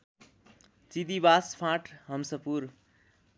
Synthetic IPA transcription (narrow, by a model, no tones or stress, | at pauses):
t͡sid̪ibaspʰãʈʰɦʌmsʌpuɾ